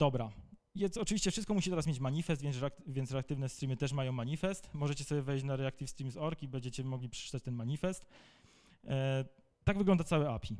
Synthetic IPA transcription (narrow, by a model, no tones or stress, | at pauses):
d̪̥ɔbɾa | jɛst̪ɔt͡ʂɨvʲiɕt͡ɕɛfʂɘst̪̚kɔmuɕit̪ɛɾasmʲjet͡ɕmaɲifɛst̪vʲjɛnkvʲjɛnt̪ɾɛakt̪ɘvnɛst̪ɾimɘt̪ɛʂ̬majɔ̃w̃maɲifɛst̪mɔʐɛt͡ɕɛsɔbʲjɛvɛjɕt͡ɕnaɾɛakt̪ifst̪ɾimzɔɾkibɛɲd͡ʑɛt͡ɕɛmɔɡlʲipʂɛ̥t͡ʂɘ̥t̪at͡ɕt̪ɛnmaɲifɛst̪ | t̪aɡvɘɡlɔnd̪at̪sawɛapʲi